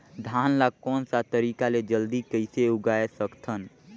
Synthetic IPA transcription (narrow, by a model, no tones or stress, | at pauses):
d̪ʱanlakɔːnsat̪əɾiːkaled͡ʒəld̪ikəɪseuɡaesəkt̪ʰən